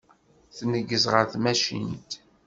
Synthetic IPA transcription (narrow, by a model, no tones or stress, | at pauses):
θnəɡːəzʁəɾθmæʃḭnt̪